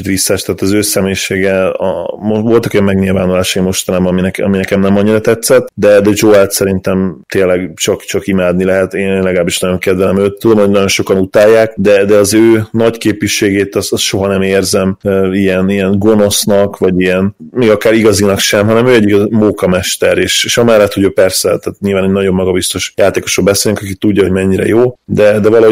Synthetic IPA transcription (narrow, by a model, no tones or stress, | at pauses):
it̪ʋisːɛʃt̪aːt̪ɒzøːsɛmeːʃeːɡɛɒmovo̞lt̪ɒkojɒmɛɡɲilvaːnulaːʃɒjimo̞ʃt̪ɒnaːbɒnminɛkɒ̰minɛkɛmnɛmɒɲːiɾɒt̪ɛt̪sɛt̪ːd̪ɛd̪ɛd͡ʒoɛlt̪sɛɾint̪ɛmt̪eːnlɛɡt͡ʃɒkt͡ʃɒkimaːd̪nilɛɦɛt̪eːnːnlɛɡɒlaːbiʃnɒjo̞ŋkɛd̪ʋɛɛmøːt̪t̪ːud̪o̞mho̞ɟnɒɟo̞nʃo̞kɒnut̪aːjːaːkd̪ɛd̪ɛɒzøːnɒckeːpiʃːeːɡeːt̪ɒsɒst̪ʃo̞ɦɒnɛmeːrzɛmøijɛnijɛnɡo̞no̞snɒkʋɒɟijɛnmeːɡɒkaːɾiɡɒzinɒkʃɛmɦɒnɛmøːɛɟːiɡɒmoːkɒmɛʃt̪ɛɾeːʃeːʃɒmɛlːɛt̪ho̞ɟøːpɛrsɛt̪ɛːt̪ɲilvaːneːnɒɟo̞mːɒɡɒbist̪o̞ʃjaːt̪eːko̞ʃrobbɛseːlniŋkɒkit̪uɟːɒɦo̞ɟmɛɲːiɾɛ̰joːd̪ɛd̪ɛvɒlɒɦo